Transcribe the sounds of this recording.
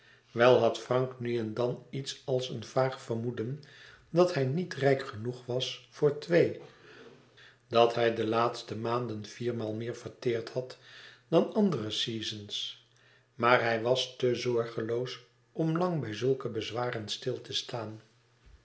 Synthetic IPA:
ʋɛlˠɦɑtfrɑŋknyɛndɑnitsɑlˠsənvaːχfəɹmudən | dɑthɛjnitrɛjkχənuχʋɑsfʊːɹtʋej | dɑtɦɛjdəlaːtstəmaːndənv̥iːɹmaːlˠmɪːɹv̥əɹtɪːɹthɑtd̥ɑnɑndərəsiːzəns | maːɹɦɛjʋɑstəzɔɹχəlows | ʔɔmlɑŋbɛjzɵlˠkəbəzʋaːrənstɪlˠtʰəstaːn

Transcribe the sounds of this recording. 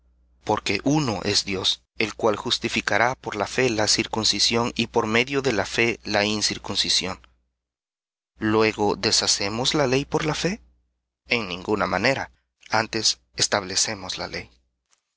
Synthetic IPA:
po̞ɾke̞ʔuno̞ʔe̞zd̪jo̞s | e̞lkwalxust̪ifikaɾapo̞ɾlafe̞lasiɾkunsisjo̞nipo̞ɾme̞ðjo̞ðe̞lafe̞lainsiɾkunsisjo̞n | lwe̞ɣo̞ðe̞sase̞mo̞zlale̞jpo̞ɾlafe̞ | eŋnĩŋɡunamane̞ɾa | ant̪e̞s | est̪aβle̞se̞mo̞sla̰le̞j

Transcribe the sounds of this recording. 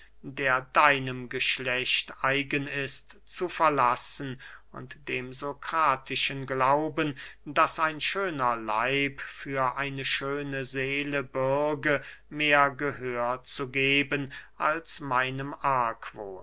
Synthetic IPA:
deːɐdaɪnəmɡəʃlɛçtʔaɪɡənɪstt͡sufɛɐlasən̩ʔʊ̰ntd̥eːmzokʁ̥aːtʰɪʃənɡlaʊbəndasaɪnʃøːnɐla̰ɪpfyːɐʔaɪnəʃøːnəzeːləbʊɐɡəmeːɐɡəhøːɐt͡suɡeːbənʔalsmaɪnəmʔaɐkʰv̥o̰ː

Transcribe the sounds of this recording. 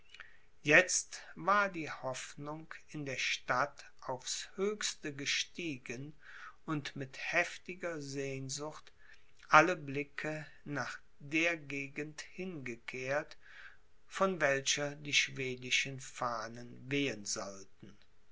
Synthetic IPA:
jɛt͡stv̥aːɐdiːhɔfnʊŋkɪndeːɐʃtat | ʔaʊfshøːçstəɡəʃtiːɡən | ʊntmɪthɛftɪɡɐzeːnzʊxt | ʔaləblɪkʰə | naːχ | d̥eːɐɡeːɡən̩thɪnɡəkʰeːɐt | fɔnvɛlʃɐdiːʃv̥eːdɪʃənfaːnənveːənzɔltn̩

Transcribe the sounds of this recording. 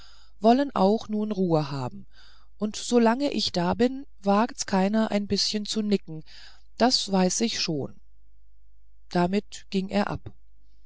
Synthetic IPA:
vɔlənʔa̰ʊxnuːnʁuːəɦa̰ːbm̩ | ʔʊntz̥olaŋəʔɪçd̥aːbɪn | vaːktkʰaɪnɐʔa̰ɪnbɪsçənt͡sunɪkŋ̩ | d̥asv̥aɪsɪçʃoːn | d̥amɪt | ɡ̥ɪŋʔeːɐʔa̰p

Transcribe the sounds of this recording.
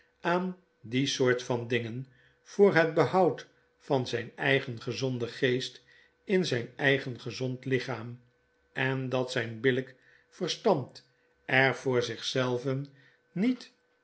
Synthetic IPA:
ʔaːn | disʊːɹtfɑndɪŋən | fʊːɹɦəd̚bəhɑwt | fɑnzɛjnɛjχənχəzɔndəχejst | ɪnzɛjnɛjχənχəzɔntlɪχaːm | ɛndɑtsɛjnbɪlək | fərstɑmt | ʔɛɹvʊːɹzɪχsɛlˠvən | nit

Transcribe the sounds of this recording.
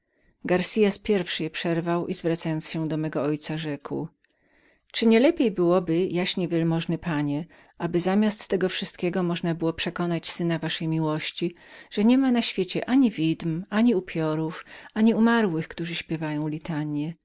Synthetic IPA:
ɡaɾsʲijaspʲjɛɾfʂɘjɛpʂɛɾvawizvɾat̪sajɔnt̪sɕɛd̪ɔmɛɡɔɔjt̪saʐɛkw | t͡ʂɘɲɛlɛpʲjejbɘwɔbɘjaɕɲɛvʲjɛlmɔʐnɛpaɲɛ | ʔabɘzamʲjast̪ːɛɡɔfʂɘst̪kʲɛɡɔmɔʐnabɘwɔpʂɛkɔnat͡ɕsɘnavaʂɛjmʲiwɔɕt͡ɕi | ʐ̥ɛɲɛmanaɕfʲjet͡ɕɛʔaɲivʲid̪maɲiupʲʰjɔɾufaɲiumaɾwɘxkt̪uʐɘɕpʲjɛvajɔ̃w̃lʲit̪aɲjɛ

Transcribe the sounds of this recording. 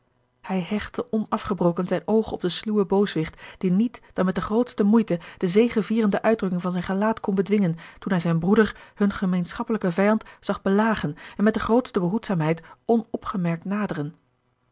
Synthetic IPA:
hɛjɦɛχtəʔɔnɑfχəbrowkənzɛjnowχəɔb̚dəsluwəbowsʋɪχtd̥initd̥ɑnmɛt̚dəχrowtstəmujtəd̥əzejχəviːrəndəʔœɥdrɵkɪŋvɑnzɛjnχəlaːtkɔnbədʋɪŋəntunɦɛjzɛjnbrudəɹhɵnχəmejnsχɑpələkəvɛjɑntz̥ɑχbəlaːχənɛnmɛt̚dəχrowtstəbəɦutsaːmɦɛjtɔnɔpχəmɛɹk̚tnaːdərən

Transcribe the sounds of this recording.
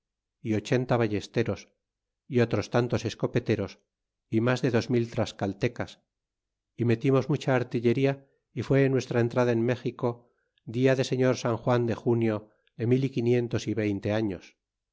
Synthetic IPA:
io̞t͡ʃe̞nt̪aβaʝe̞st̪eɾo̞s | io̞t̪ɾo̞st̪ant̪o̞se̞sko̞pe̞t̪e̞ɾo̞s | imazðe̞ðo̞zmilt̪ɾaskalt̪e̞kas | ime̞t̪imozmut͡ʃaːɾt̪iʎe̞ɾia | ifwe̞ːnwe̞st̪ɾaent̪ɾaðaenme̞xiko̞ | d̪iaðe̞se̞ɲo̞ɾsaŋxwand̪e̞xunjo̞ | ðe̞milikinje̞nt̪o̞siβe̞jnt̪e̞aɲo̞s

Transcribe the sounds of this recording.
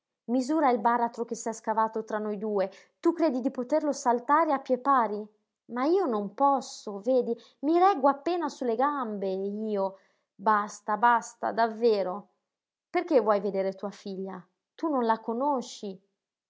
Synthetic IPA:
mizuːɾailbaːɾat̪ɾok̟esiaskavaːt̪ot̪ɾanːojd̪uːe | t̪ukɾeːd̪id̪ipot̪erlosalt̪aːɾeapːjepaːɾi | maiːonompɔsːoveːd̪i | miɾɛɡoapːeːnasulːeɡambeiːo | bast̪abast̪a̰d̪avːeːɾo | perk̟evːwɔjved̪eːɾet̪uːafiʎːa | t̪unːonlakonoʃːi

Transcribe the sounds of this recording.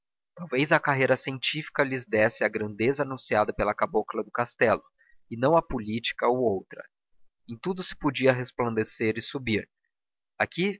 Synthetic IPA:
t̪awvejzɐkaɦejɾɐsiẽnt͡ʃifi̥kɐlɪzd̪ɛsɪɐɡɾɐ̃nd̪ezɐanũsiad̪ɐpelɐkaboklɐd̪ʊkast̪ɛlʊ | ɪnɐ̃w̃ɐpʊlit͡ʃi̥kɐoowt̪ɾɐ̰ | ẽt̪ud̪ʊsɪ̥pod͡ʒiɐɦesplɐ̃nd̪eseɾɪsubiɾ | aki

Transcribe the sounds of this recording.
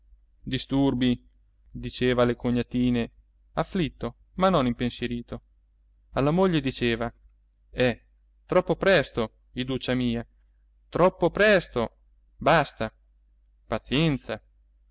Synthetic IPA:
d̪ist̪urbi | d̪it͡ʃeːvalekoɲːat̪iːne | afːlit̪ːo | manːonimpensjeɾiːt̪o | alːamoʎːed̪it͡ʃeːva | ɛ | t̪ɾɔpːopɾɛst̪o | id̪ut͡ʃːamiːa | t̪ɾɔpːopɾɛst̪o | bast̪a | pat̪sjɛnt̪sa

